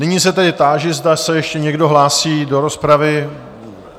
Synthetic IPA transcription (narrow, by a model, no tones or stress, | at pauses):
nɪɲiːsɛt̪ɛdɪt̪aːʒɪzdasɛjɛʃcɛɲɛɡdo̞ɦlaːsiːdo̞ɾo̞spɾavɪ